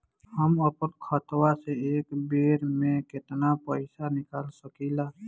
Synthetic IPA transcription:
həməpənkʰət̪waseeːkbeːɾmẽkɪt̪napəɪsanɪkaːlsəkilaː

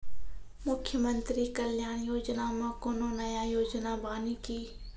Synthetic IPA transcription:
mʊkʰːjəmə̃nt̪ɾikəljaːñjoːd͡ʒnamẽkononɐjajoːd͡ʒnabaːnikiː

